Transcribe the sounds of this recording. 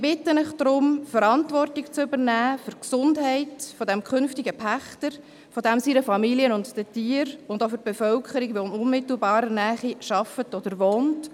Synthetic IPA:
sibɪtːənɪχd̥ɾʊmfəɾɑntvɔrtɪkt͡sʏbəɾnæːfʏɾksʊndɦɛɪtfɔdɛmkʰχʏnftiɡəpʰæχtəɾ | fɔdɛmsiɾəfɑmiliənʊntd̥ɛtiːəɾʊndofʏɾb̥ɛfœlkʰəɾiɡʋonʊnmɪtl̩bɑːɾənæːχiʃɑfətɔdəɾʋoːnt

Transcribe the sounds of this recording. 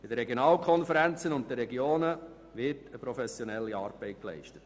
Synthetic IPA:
b̥ɪdəɾɛɡjonɑːlkʰɔnfəɾænt͡sənʊnttəɾɛɡioːnə | ʋɪtəpɾɔfɛsjɔnɛlːiɑːɾb̥ɛɪt̚klɛ̰ɪʃtə̥t

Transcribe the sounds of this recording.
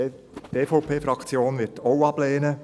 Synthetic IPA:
teːfoʊpʰeːfɾɑkt͡sjoːnʋɪtɔʊwɑb̥leːnə

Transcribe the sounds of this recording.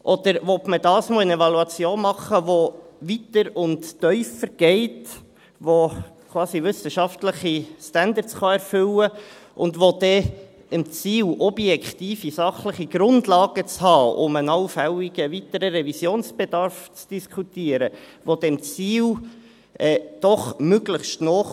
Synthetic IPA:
ʔɔd̥̪əɾʋɔtmədɑːsmoːənɛvɑluɑt͡sjoːnmɑχəʋoʋitəɾʊntːœʏfəɾɡ̥ɛɪt | ʋokʰwɑːsiʋʏsəʃɑftləχistændəɾsχɑɛɾfʏləʔʊndʋod̥ɛ | ɪmt͡siːlɔbjɛkχtiːfisɑχləχiɡ̥ɾʊndlɑːɡ̥ət͡shɑːʊ̰mənɑwfɛliɡ̥əvitəɾəɾɛvisjoːnsb̥ed̥ɑɾft͡sd̥iskʰutiːəɾəʋod̥̪ɛmt͡siːl | ʔɛːd̥ɔχmøɡləχʃtnɔːχ

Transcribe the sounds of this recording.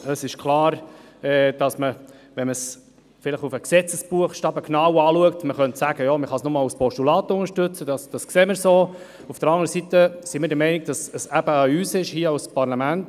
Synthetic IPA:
əsɪʃkʰlɑːɾ | ɛːd̥ɑsməʋɛnməs | fɪləɪχufəksɛt͡səsb̥uəχʃtɑːbəkʰnɑwɑːluək̚tməχœntsæːɡ̥əjɑːməχɑsnʊmɑːluspɔʃtulɑːt̪əʊnəɾʃtɵt͡səd̥ɑsd̥ɑskseːməɾsoː | ufd̥əɾɑŋəɾəsitəsimɪːɾdəɾmɛɪnɪɡ̚d̥ɑsəsæb̥əɑyːsɪʃhiəɑʊspɑɾlɑmænt

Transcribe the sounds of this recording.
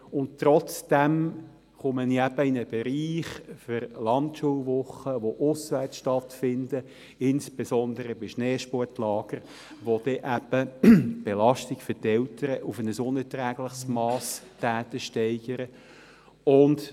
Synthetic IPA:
ʊnttɾɔt͡sd̥ɛm | χʊməniæb̥əinəb̥eɾiːχfʏɾlɑntʃuːlʋʊχəʋoʔʊsvæt͡sʃtɑtfɪndə | ɪnsb̥esɔndəɾəbɪʃnɛːʃpɔɹtlɑːɡ̥əɾ | ʋod̥ɛʔæb̥əb̥elɑʃtikfʏtɛltəɾəʔufənəsʊnətrɛːɡlɪχsmɑːstæːt̪əʃtɛɪɡ̥əɾə | ʊnd

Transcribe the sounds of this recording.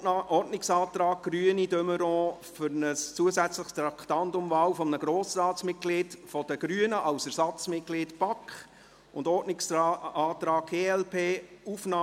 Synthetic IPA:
ɔrtnɪksɑːt̪ɾɑːɡ̚ɡ̥ɾyənidøməɾɔ̃ː | fʏɾnəst͡suəzæt͡sləχst̪ɾɑkχt̪ɑntʊmvɑːwfɔmənəɡ̥ɾoːsrɑːt͡smɪt̚ɡ̥liːtfɔd̥əɡ̥ɾyənəʔɑʊsæɾsɑt͡smɪt̚ɡ̥liːtb̥ɑkχ | ʊndɔtnɪksɑːt̪ɾɑːɡ̥̚ɡ̥eːɛlpʰeːufnɑː

